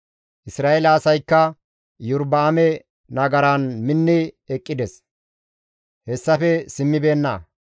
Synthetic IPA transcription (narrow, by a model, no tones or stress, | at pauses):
ʔɪsɾaːʔɛlɐːsɐjkːɐ | jʊɾbaːmɛ | nɐɡɐɾɐnmɪnːɪɛkʼːɪd̪ɛs | hɛsːɐfɛsɪmːɪbe̞ːnːɐ̰